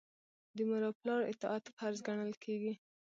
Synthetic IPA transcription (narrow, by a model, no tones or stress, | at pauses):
d̪əmaɾɑplɑɾɪ̰t̪ɪat̪faɾzɡaɳəlkʰeɡi